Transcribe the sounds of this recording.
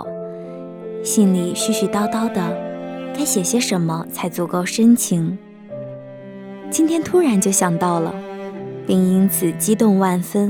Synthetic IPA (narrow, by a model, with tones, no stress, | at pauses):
ɕi˥nli˨˩ɕy˥˩ɕy˨˩t̪ɑ˥˩ʊt̪ɑ˥ʊd̪ə˨ka˥ɪɕjɛ˨˩ɕjɛ˥ʂə˧˥nmə˧t͡sʰa˧˥ɪt͡swɔ˥˩kɔ˥˩ʂə˥nt͡ɕʰi˧˥ŋ | t͡ɕi˥nt̪ʰjɛ˥nt̪ʰu˥ɻa˧˥nt͡ɕjo˥˩ʊɕjɑ˨˩ŋt̪ɑ˥˩ʊlə̰˩pi˥˩ŋi˥nt͡sʰɹ̩˨˩t͡ɕi˥t̪ʊ˥˧ŋwa˥˩nfə˥n